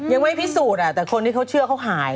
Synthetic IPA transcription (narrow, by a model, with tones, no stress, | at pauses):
ja˧ŋma˥˩jpʰi˦˥suː˨˩t̪̚ʔa˨˩t̪ɛː˨˩kʰo˧nt̪ʰiː˥˩a˦˥wt͡ɕʰɯ˥˩əkʰa˦˥wɦaː˩˦j